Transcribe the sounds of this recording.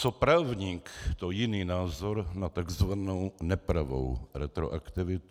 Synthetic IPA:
t͡sopɾaːvɲiːkt̪ojɪniːnaːzoɾnat̪aɡzvanownɛpɾavo̰wɾɛt̪ɾo̰ʔakt̪ɪvɪt̪u

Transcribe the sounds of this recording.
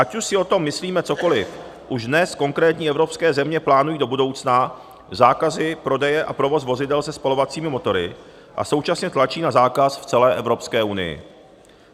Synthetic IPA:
ʔacuʃsɪo̞t̪o̞mːɪsliːmɛt͡so̞ko̞lɪf | ʔuʒdnɛsko̞ŋkɾɛːt̪ɲiːʔɛvɾo̞pskɛːzɛmɲɛplaːnujiːdo̞budo̞wt͡sna | zaːkazɪpɾo̞dɛjɛʔapɾo̞vo̞svo̞zɪdɛlsɛspalo̞vat͡siːmɪmo̞t̪o̞ɾɪ | ʔa̰so̞wt͡ʃasɲɛt̪lat͡ʃiːnazaːkasft͡sɛlɛːʔɛvɾo̞pskɛːʔunɪ̰jɪ̰

